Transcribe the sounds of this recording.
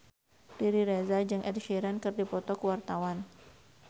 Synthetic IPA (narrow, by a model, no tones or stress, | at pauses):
diɾiɾezad͡ʒɨŋʔɛdʃiɾankɨrdipɔt̪ɔkuwart̪awan